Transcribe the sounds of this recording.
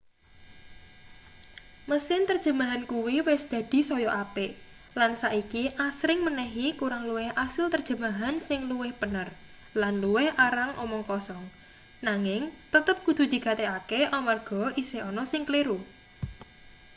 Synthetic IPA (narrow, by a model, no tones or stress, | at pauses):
məsɪnt̪ərd̥ʒ̥ə̤maɦankuwiwɪsd̪̥a̤d̪̥i̤sɔjɔʔapɪʔ | lansaʔikiʔasɾɪŋmənɛɦikuɾaŋluwɪhasɪlt̪ərd̥ʒ̥ə̤maɦansɪŋluwɪhbənər | lanluwɪhaɾaŋʔɔ̰mɔŋkɔsɔŋ | naŋɪŋt̪ət̪əp̚kud̪̥ṳd̪̥i̤ɡ̥a̤t̪ɛakeʔɔmarɡ̥ɔ̤ʔisɪhɔnɔsɪŋkleɾu